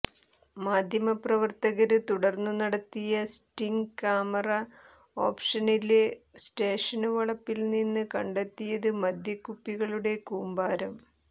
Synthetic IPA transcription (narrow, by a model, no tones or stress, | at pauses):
maːd̪ʱjɐmɐprɐʋɐrt̪ɐɣɐɾɨt̪uɽɐrnːunɐɽɐt̪ːijɐsʈiŋɡkaːmɐrɐ | o̰ːpʂɐnilesʈe̞ːʂɐnɨʋɐɭɐpːilninːɨkɐɳɖet̪ːijɐðɨmɐd̪ʱjɐkːupːiɣɐɭuɽe̞kuːmbaːɾɐm